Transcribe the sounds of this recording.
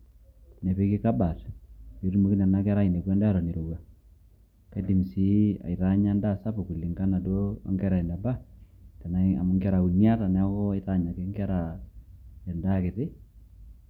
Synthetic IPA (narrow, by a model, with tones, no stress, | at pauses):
ne˨pi˦ki˦ka˦ba˨te˨ɾmo˦ki˦nɛ˨na˦kɛ˦ɾa˦i˨ne˨ɡwɛ˦nda˦ɾɔ˨ni˨ɾo˨wa˨ | ka˦di˨msi˦a̰˨ɪta˦ɲa˦nda˦sa˦pu˨ku˨li˨ŋɡa˦na˨do̰ː˦ŋɡɛ˦ɾa˨i˨nda˨ba˦tɛ˨na˦a̰˨mŋɡɛ˦ɾa˨u˨nja˦ta˨nɛ˨a˦kɔ˦ɪ˦ta˦ɲa˨ke˦ŋɡɛ˦ɾa˨ | ɛ˨nda˦kɪ˨tɪ˦